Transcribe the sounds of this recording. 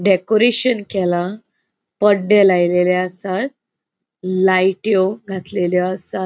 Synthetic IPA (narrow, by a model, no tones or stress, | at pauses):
ɖekoɾeɕənkʰɛla | pəɖːelajlelaəsat̪̚ | lajʈjoɡʱat̪leljɔəsa